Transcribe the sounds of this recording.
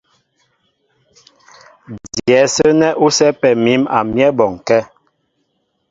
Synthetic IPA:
djɛ˨˦sə˦nɛ˦ʔu˦sɛ˦pɛ˨mi˨˦ma̰˨mjɛ˦bɔ˨ŋ˨kɛ˦

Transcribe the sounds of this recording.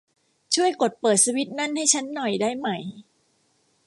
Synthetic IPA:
t͡ɕʰu˥˩əjko˨˩t̪̚pɤː˨˩t̪̚siː˧˥wi˦˥t̪̚na˥˩nha˥˩jt͡ɕʰa˦˥nːɔ˨˩jdaː˥˩jma˨˩j

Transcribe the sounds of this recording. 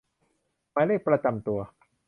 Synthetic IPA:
maː˦le˥˩pɾa˧t͡ɕa˧mt̪u˧ɐ

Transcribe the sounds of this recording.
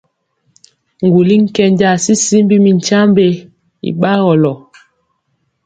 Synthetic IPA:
ŋ˨ɡu˨li˦ŋ̩˦kɛ˦ɲd͡ʒa˦˨si˦si˦m˦bi˦mi˨n˨t͡ʃa˦mbe˦ | ḭ˨ɓa˦ɣɔ˨lɔ˨

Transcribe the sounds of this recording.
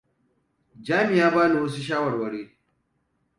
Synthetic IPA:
d͡ʒaː˦mɪ˨jaː˦baː˦ni˨wɐ˦s̬u˦ʃ̬aː˦wɐ˨ɽwɐ˦ɽeː˦

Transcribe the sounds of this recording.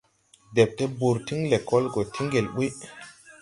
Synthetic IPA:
de˨p̚te˦bu˨ɾti˦ŋle˨kɔ˦lɡo˨tʰi˦ŋɡe˨lɓu˦

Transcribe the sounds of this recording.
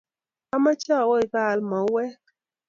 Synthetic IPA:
a˦ma˦t͡ʃa˦˨wɔ˦i˨ba˦˨lmɔ˨˦wɛ˦

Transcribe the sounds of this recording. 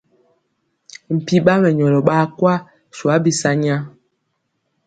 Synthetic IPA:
m̩˨pi˦ɓa˦mɛ˨ɲɔ˨lɔ˨ɓa˦kwa˦ | swa˨˦bi˦sa˦ɲa˦

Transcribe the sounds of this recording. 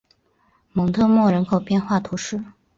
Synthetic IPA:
mɤ˧˥ŋt̪ʰɤ˥˧mwɔ˥˩ɻə˧˥nkʰo˨˩ʊpjɛ˥˧nxwa˥˩t̪ʰu˧˥ʂɻ̩˥˩

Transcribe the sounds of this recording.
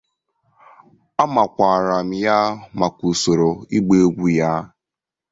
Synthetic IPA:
a˦ma˨kʷa˨ɾa˨m̩˨ja˦ma˨ku˨so˨ɾo˨i˦ɡ͡be˦o˦ɡʷu˦ja˦

